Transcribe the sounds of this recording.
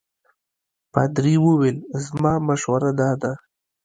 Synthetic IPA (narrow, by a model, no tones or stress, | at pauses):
pa̰d̪ɾiwəwelzmɑmaʃwaɾad̪ɑd̪a